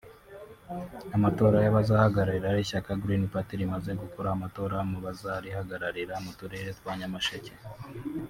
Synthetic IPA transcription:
amato̞ːɾajaβazahaɡaɾaɾiɾaɾiçakaɡɾinipatiɾimaze̞ɡukuɾamato̞ːɾamuβazaɾihaɡaɾaɾiɾamutuɾeɾetwaɲamaʃece

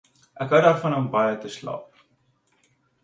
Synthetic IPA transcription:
ʔækɦəwdɑːrfɐnɦəmbɐjətəslɑ̰ːp̚

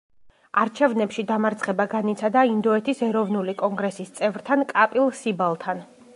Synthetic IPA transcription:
aɾt͡ʃʰɛvnɛpʃid̪amaɾt̪sʰχɛbaɡanit̪sʰad̪aind̪ɔɛt̪ʰisɛɾɔvnulikʼɔŋɡɾɛsist̪sʼɛvɾt̪ʰankʼapʼilˠsibalˠt̪ʰan

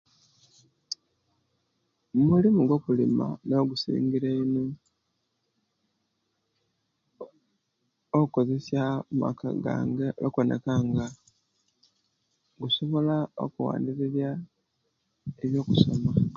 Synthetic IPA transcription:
mumulimuɡo̞kulima̰no̞ːɡusḭːŋɡiɾeino | ouko̞ze̞sjamuma̰ka̰ɡa̰eokonḛkaŋɡa | ɡuso̞βo̞lao̞̰kuwa̰ːndiɾiɾja | eβjo̞ːkuso̞̰ma

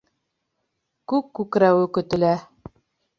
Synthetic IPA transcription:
kʉkːʉkɾæwɘkɵ̆t̪ɘ̆læ

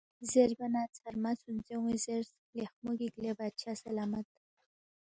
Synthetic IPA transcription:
zeɾbanat͡sʰaɾmat͡sunzewizeɾsklexmuɡiklebat͡ʃʰasɐlamat̪

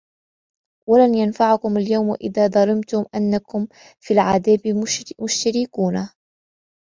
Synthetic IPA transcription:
walanjanfaʕʊkʊmaljawmʔɪ̰ðaːd̪ˤɑlɪmt̪ʊmʔanːakʊm | fiːlʕad̪aːbmʊʃt̪aɾɪkuːna

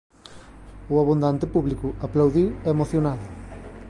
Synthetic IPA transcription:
ʊaβund̪ant̪ɪpuβlikʊaplawðiwɛmoθjonaðʊ

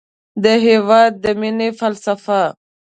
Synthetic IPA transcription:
d̪əɦevaːd̪̚ːəminefɐlsɐfa

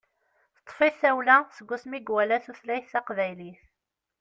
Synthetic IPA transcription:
θt̪ˤːfiθæwlæsəɡʷːusmiɡwælæθuθlæjθæqvæjliθ

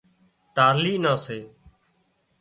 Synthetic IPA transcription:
t̪aːliːnãːseː

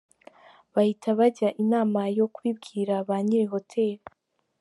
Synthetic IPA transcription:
βahitʰaβaɟaʔinaːmajo̞kwibɡiːɾaβaːɲiɾiɦo̞tʰe̞ːɾi

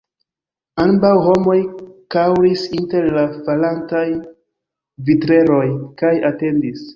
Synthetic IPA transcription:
ambawho̞mo̞jkawɾisinte̞ɾlafalantaj | vitɾe̞ɾo̞jkajate̞ndis

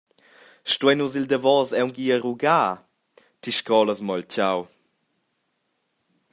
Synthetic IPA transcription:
ʃtuɛnuzild̪əvɔzɛwŋɡiəɾuɡaː | tiʃkɔləsmɔlt͡ɕaw

